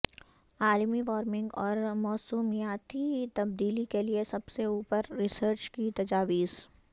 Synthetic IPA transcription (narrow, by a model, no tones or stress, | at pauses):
aːlmiʋaːɾmɪ̃ŋɡɔːɾmɔːsuːmijaːt̪it̪ɐb̚d̪iːlikeliesɐbseuːpəɾːɪsəɾt͡ʃkit̪ɐd͡ʒaːʋiːz̥